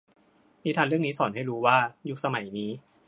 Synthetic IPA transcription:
miː˦˥t̪ʰaː˧lɾɯ˥˩əŋniː˦˥sɔː˩˦nɦa˥˩jɾuː˦˥waː˥˩ju˦˥k̚sa˧ma˨˩˦jniː˦˥

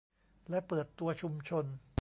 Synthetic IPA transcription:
lɛ˦˥pɤː˨˩t̪ːu˧ɐt͡ɕʰu˧mt͡ɕʰo˧n

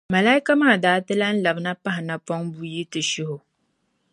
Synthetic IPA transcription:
ma˨la˦i˦ka˦maː˦˨daː˨˦tɨ˦la˦n̩˦la˨bna˦pa˦ɦɪ˨na˨pɔ˦ŋbu˦ji˦tɨ˨ʃʊ˦hʊ˨

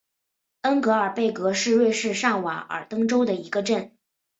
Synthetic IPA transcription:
ə˥nkɤ˧˥ə˞˨˩pe˥˩ɪkɤ˧˥ʂɻ̩˥˧ɻwe˥˧ʂɻ̩˥˧ʂɑ˥˩ŋwa˨˥˦ə̰˨˩t̪ɤ˥ŋʈ͡ʂo˥ʊd̪ə˨i˧˥ɡə˧ʈ͡ʂə˥˩n

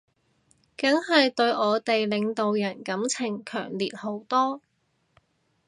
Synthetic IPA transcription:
kɐ˨˥ŋɦɐ˨jt̪ɵ˧ɥʔɔː˨˧t̪e˨jlɪ˨˧ŋt̪o˨wjɐ˨˩nkɐ˨˥mt͡sʰɪ˨˩ŋkʰœ̰ː˨˩ŋliː˨t̚ho˨˥wt̪ɔː˥

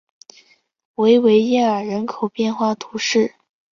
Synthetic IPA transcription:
we˧˥ɪwe˧˥ɪjɛ˥˩ə˞˨˩ɻə˧˥nkʰo˨˩ʊpjɛ˥˧nxwa˥˩t̪ʰu˧˥ʂɻ̩˥˩

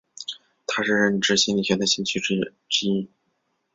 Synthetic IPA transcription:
t̪ʰa˥ʂɻ̩˥˧ɻə˥˩nʈ͡ʂɻ̩˥˩ɕi˥nli˨˩ɕʰjɛ˧˥nd̪ə˧˩ɕi˥˧ŋt͡ɕʰy˥ | ʈ͡ʂɻ̩˥i˥˩

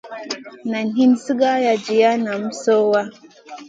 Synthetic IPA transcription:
na˨nɦi˦nsi˦ɡa˦ja˨d͡ʒi˨ja˦na˨m̩˦so˦wa˦

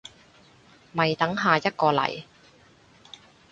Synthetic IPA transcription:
mɐ˨˩jt̪ɐ˨˥ŋɦaː˨jɐ˥t̚kɔː˧lɐ̰˨˩j

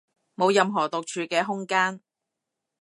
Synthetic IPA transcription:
mo˨˧wjɐ˧mɦɔː˨˩t̪ʊ˨k̚t͡ʃʰyː˨˧kɛː˧ɦʊ˥ŋkaː˥n

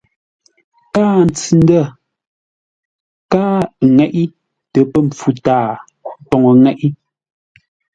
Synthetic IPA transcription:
kaː˦n̩˨t͡si˨n̩˦də˦˨ | kaː˦ŋɛ˨ʔi˦ | tɛ˨pɛ˦˨m̩˨p͡fu˨taː˨˦ | pɔ˨ŋɔ˨ŋɛ˦ʔi˦

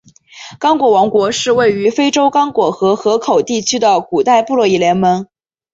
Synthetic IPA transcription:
kɑ˥ŋkwɔ˨˩wɑ˧˥ŋkwɔ˧˥ʂɻ̩˥˧we˥˩ɪy˧˥fe˥ɪʈ͡ʂo˥ʊkɑ˥ŋkwɔ˨˩xɤ˧˥xɤ˧˥kʰo˨˩ʊt̪i˥˩t͡ɕʰy˥d̪ə˨ku˨˩t̪a˥˧ɪpu˥˧lwɔ˥˩i˥˩ljɛ˧˥nmə˧˥n

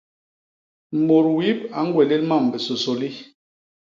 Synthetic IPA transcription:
mo˨ɾwi˦p̚a˨˦ŋ˦ɡwɛ˨le˦lma˦˨m˨bɛ˨so˨so˨li˦

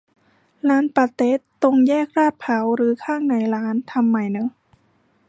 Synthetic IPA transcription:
laː˦˥npa˨˧˩t̪e˦˥t̪ːo˧ŋjɛː˥˩k̚ɾaː˥˩t̪̚pʰa˨˩˦wɾɯː˨˩˦kʰaː˥˩ŋna˨˩˦jɾaː˦˥nt̪ʰa˧mːa˧˩jnɯ˦˥

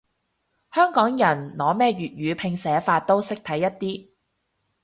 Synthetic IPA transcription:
hœː˥ŋkɔː˨˥ŋjɐ˨˩nlɔː˨˧mɛː˥ɥyː˨t̚jyː˨˧pʰɪ˧ŋsɛː˨˧faː˧t̚t̪o˥wsɪ˥k̚t̪ʰɐ˨˥jːɐ˥t̚t̪iː˥

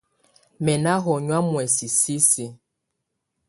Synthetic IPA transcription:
mɛ˨na˦ɦɔ˨ɲwa˦mwɛ˨si˨si˦si˨

